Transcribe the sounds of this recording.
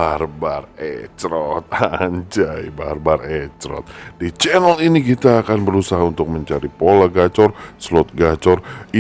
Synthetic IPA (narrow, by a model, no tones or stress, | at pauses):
arbarɛ̰t͡ʃɾɔt̪̚aɲt͡ʃaiba̰rbaɾɛt͡ʃɾɔ̰t̪̚dit͡ʃɛnəlinikit̪aːkanbəɾusaɦaunt̪ʊk̚məɲt͡ʃaɾipolaɡat͡ʃɔrslɔt̪̚ɡat͡ʃɔri